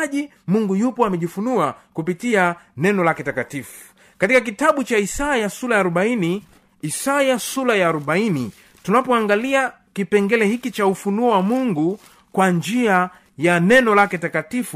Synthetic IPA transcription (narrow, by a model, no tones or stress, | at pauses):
ʄi | muŋɡujupɔamɛʄifunuakupitianɛnɔlakɛtakatifu̥ | katikak̬itaɓut͡ʃaisajasulaːɾɔɓaini | isajasulajaːɾɔɓaini | tunapɔaŋɡalia | kipɛŋɡɛlɛhikit͡ʃaufunuɔwamuŋɡu | kwand͡ʒia | janɛnɔlakɛtakatifu